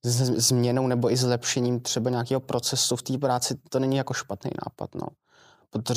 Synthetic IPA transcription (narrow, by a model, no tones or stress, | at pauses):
zmɲɛnownɛbo̞ʔɪzlɛpʃɛɲiːmt̪r̥ɛbaɲaːk̬iːɦopɾo̞t͡sɛsuft̪iːpɾaːt͡sɪt̪o̞nɛɲijakoʃpat̪nḛjnʔa̰ːpa̰t̪no̰ | pɾot̪o